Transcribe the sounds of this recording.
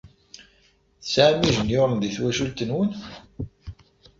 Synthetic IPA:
θəsʕamiʒənjʊɾˤənðiθwæʃult̪ənwən

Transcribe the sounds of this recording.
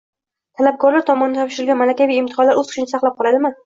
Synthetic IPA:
t̪ʰalap̚kʰɒɾlaɾt̪ʰɒmɒnɪd̪at̪ɒpʃɪɾɪlɡʲanmalakʲavijɪmt̪ʰɪ̥χɒlaɾɵz̥qʰɨʃɪnɪsɑqlˠap̚qʰɒlˠad̪ɪma

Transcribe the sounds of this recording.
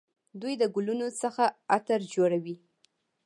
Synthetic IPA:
d̪ujd̪əɡʊlunot͡səxaat̪əɾd͡ʒoɽawi

